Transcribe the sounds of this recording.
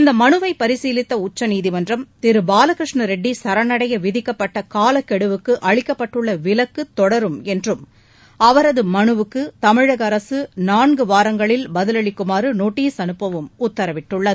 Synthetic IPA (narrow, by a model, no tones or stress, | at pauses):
ɪnd̪ɐmɐɳɯʋɐɪpɐɾɪsiːlɪt̪ːɐʊt͡ʃːɐniːðɪmɐndrɐmt̪ɪɾɯbaːlɐkɾɪʂɳɐɾɛɖːisɐɾɐnɐɽɐjɐʋɪðɪkːɐpːɐʈːɐkaːlɐkːɛɽɯʋɯkːɯʔɐɻɪkːɐpːɐʈːɯɭːɐʋɪlɐkːɯt̪ːɔɽɐɾɯmɛndrɯm | ɐʋɐɾɐðɯmɐɳɯʋɯkːɯt̪ɐmɪɻɐɣɐɾɐsɯnaːɳɡɯʋaːɾɐŋɡɐɭɪlbɐðɪlɐɭɪkːʊmaːɾɯnoːʈːijsɐnɯpːɐʋɯmʊt̪ːɐɾɐʋɪʈːɯɭːɐðɯ